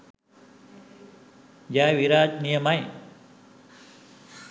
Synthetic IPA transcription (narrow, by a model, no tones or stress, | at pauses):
d͡ʒaʋiɾaːd͡ʒnijəmaj